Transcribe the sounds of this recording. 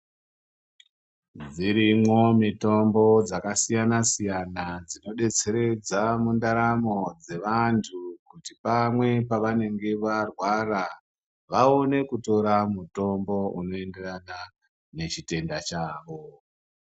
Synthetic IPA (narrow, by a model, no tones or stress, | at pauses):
d͡ziɾimwo̞mito̞mbo̞d͡zakasijanasijanad͡zino̞ɗe̞t͡se̞ɾe̞d͡zamundaɾamo̞d͡ze̞ʋantʰukutipamwe̞paʋane̞ŋɡe̞ʋarwaɾa | ʋao̞ne̞kuto̞ɾamuto̞mbo̞uno̞e̞nderana | ne̞t͡ʃite̞ndat͡ʃaːʋo̞